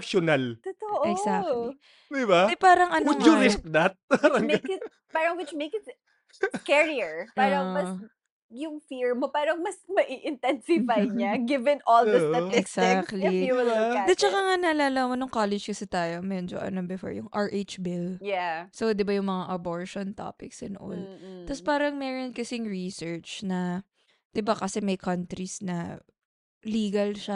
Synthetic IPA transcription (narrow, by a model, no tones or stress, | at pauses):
pʃonalt̪ot̪oʔɛɡsakl | d̪ɪbaɛpaːɾɐŋʔɐnʊd̪jʊnɪsk̚d̪ɐt̪̚ɐmek | paːɾɐŋwɪt͡ʃmejks | kɛɹiɛɹpaːɾɐŋmɐs | jʊŋfiɹmopaːɾɐŋmɐsmɐʔiʔɪ̃nt̪ɛnsɪfajɲaɡɪvɛnʔoldɪsɐɛɡsak̚t̪lijuwɪladɛt͡ʃɐkaŋanɐlaːlɐmonʊŋkoːlɛd͡ʒkɐsɛt̪aːjo̞mɛd͡ʒoʔɐ̰nobɪfo̰ɹjʊŋʔɐɹʔet͡ʃbɪljasod̪ɪbajʊŋmɐŋaʔɐboɹʃont̪a̰ːpɪksɪnʔo̰lt̪ɐspaːɾɐŋmɛːɹon̚kɐsɪŋɹisɛɹt͡ʃnɐ | d̪̥ɪbakɐsɛmɐjkʰɐnt̪ɾisnɐ̰ | liːɡɐlʃa